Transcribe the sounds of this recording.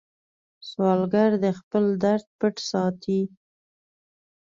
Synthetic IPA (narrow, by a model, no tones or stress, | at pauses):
swɑlɡaɾd̪əxpəld̪aɾd̪̚pəʈsɑt̪ʰi